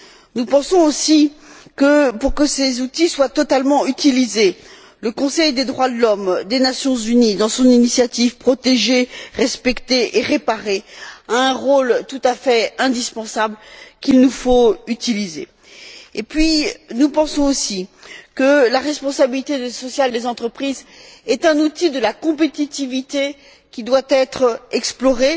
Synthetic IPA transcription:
nupɑ̃sɔ̃osikəpuʁkəsezut̪iswat̪ɔt̪almɑ̃yt̪ilize | ləkɔ̃sɛjd̪ed̪ʁwad̪əlɔmd̪enasjɔ̃zynid̪ɑ̃sɔ̃ninisjat̪ivpχɔt̪eʒeʁɛspɛkt̪eʔeʁepaʁeaɛ̃ʁolt̪ut̪afɛɛ̃d̪ispɑ̃sablkʲilnufoyt̪ilizḛ | epɥinupɑ̃sɔ̃osikəlaʁɛspɔ̃sabilit̪eesɔsjald̪ezɑ̃t̪χəpχizɛt̪ɛ̃nut̪id̪əlakɔ̃p̬et̪it̪ivit̪e | kʲid̪wat̪ɛt̪χɛksplɔʁe

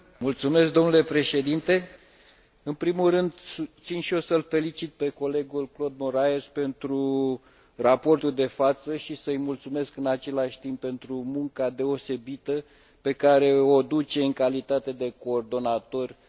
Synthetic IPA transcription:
mult̪sume̞s̬k̚d̪o̞mnule̞pɾe̞ʃe̞d̪int̪e̞ | ɨnpɾimulrɨnd̪sut̪sinʃio̞səlfe̞lit͡ʃit̪̚pe̞ko̞le̞ɡulklo̞d̪moɾaespe̞nt̪ɾu | rapo̞rt̪uld̪e̞fat̪səʃisəɨjmult̪sume̞skɨnat͡ʃe̞laʃʲt̪imppːe̞nt̪ɾumuŋkad̪e̞o̞se̞bit̪ə | pe̞kaɾe̞o̞d̪ut͡ʃe̞ɨŋkalit̪at̪e̞d̪e̞ko̞ːrd̪o̞nat̪o̞rʲ

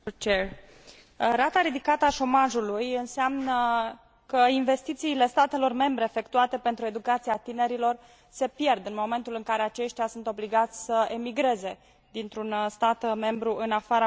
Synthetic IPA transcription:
t͡ʃe | ɾat̪aɾid̪ikat̪əaʃo̞maʒulujɨnseamnə | kəinve̞st̪it̪siːle̞st̪at̪e̞lo̞rme̞mbɾe̞ːfe̞kt̪uat̪e̞pe̞nt̪ɾue̞d̪ukat̪siat̪ine̞ɾilo̞r | se̞pje̞rd̪ɨnmo̞me̞nt̪ulɨŋkaɾe̞at͡ʃe̞ʃt̪jasunt̪o̞bliɡat̪sʲsəe̞miɡɾe̞ze̞ | d̪int̪ɾunst̪at̪me̞mbɾuʔɨnafaɾə

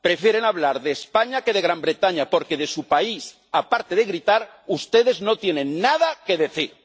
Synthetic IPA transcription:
pɾe̞fjeɾenaβlaɾðe̞ːspaɲake̞ðeɣɾambɾe̞t̪aɲapo̞ɾke̞ðe̞supais | apaɾt̪eð̞eɣɾit̪aɾ | ust̪e̞ð̞e̞zno̞t̪je̞nẽ̞nːað̞ake̞ðe̞θiɾ

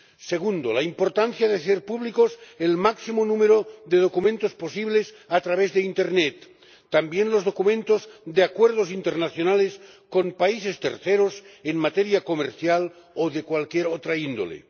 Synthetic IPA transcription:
seɣund̪o̰laimpo̞ɾt̪an̟θjaðeseɾpuβlikoselmaksimonũmeɾoðe̞ð̞o̞kumẽnt̪osposiβles | at̪ɾaβ̞ezðeint̪eɾnet̪ː | ambjenlozðo̞kumẽ̞nt̪ozd̪eakweɾð̞osint̪eɾnaθjonales | ko̞mpaisest̪ḛɾθeɾoseŋmat̪eɾjakomeɾθjal | oðekwalkjeɾot̪ɾaind̪o̰lḛ

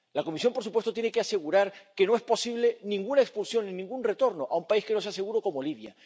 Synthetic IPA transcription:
lako̞misjo̞mpo̞ɾsupwest̪ot̪jnekease̞ɣuɾaɾke̞no̞e̞spo̞siβ̞le̞nĩŋɡunaekspulsjo̞nĩnĩŋɡunre̞t̪o̞ɾno̞ʔaumpaiske̞no̞s̬ease̞ɣuɾo̞ko̞mo̞liβja̰

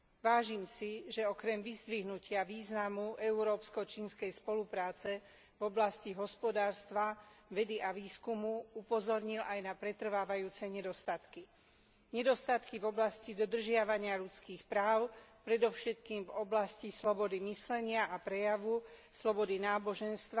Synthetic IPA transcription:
ʋaːʒiːmsiʒɛɔkɾɛmʋizd̪ʋiɦnucɪaʋiːznamuʔɛuɾɔːpskɔt͡ʃiːnskɛjspɔlupɾaːt͡sɛ | vɔblasciɦɔspɔd̪aːɾst̪ʋaʋɛd̪iʔaʋiːskumuupɔzɔɾɲilʔajnapɾɛt̪r̩ʋaːʋajuːt͡sɛɲɛd̪ɔst̪at̪ki | ɲɛd̪ɔst̪at̪kivɔblascid̪ɔd̪r̩ʒɪaʋaɲɪaʎut͡skiːxpɾaːʊpɾɛd̪ɔʊʃɛt̪kiːmvɔblascislɔbɔd̪imislɛɲɪaʔapɾɛjaʋuslɔbɔd̪inaːbɔʒɛnst̪ʋa

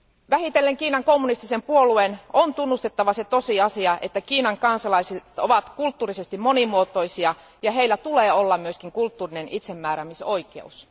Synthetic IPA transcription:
ʋæhit̪elːeŋkiːnɑŋko̞mːunist̪isempuoluenont̪unːust̪e̞t̪ːɑʋɑse̞t̪o̞siɑsiɑʔe̞t̪ːækiːnɑŋkɑnsɑlɑiset̪oʋɑt̪kult̪ːuːrise̞st̪immo̞nimuot̪o̞jsiɑ | jɑɦe̞ilːæt̪uleːo̞lːɑmmyøskiŋkult̪ːuːrine̞nit̪se̞mːæːɾæmiso̞ike̞̰us

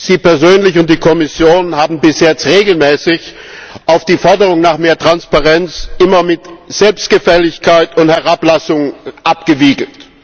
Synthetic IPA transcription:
z̥iːpɛɐzøːnlɪçʊnt̚d̥iːkʰɔmɪsjoːnhaːbm̩bɪsjɛt͡stʁeːɡl̩mɛːsɪçʔaʊfd̥iːfɔɐdəʁ̞ʊŋnaːχmeːɐtʁ̥anspaʁɛnt͡sʔɪmɐmɪtz̥ɛlpst̚ɡ̥əfɛlɪçkʰaɪtʊnthɛʁaplasʊŋʔap̚ɡ̥əviːɡl̩t

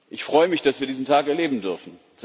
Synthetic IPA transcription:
ʔɪçfʁ̥ɔʏəmɪçd̥asviːɐdiːzn̩tʰaːkɛɐleːbm̩dʏɐfn̩ | z

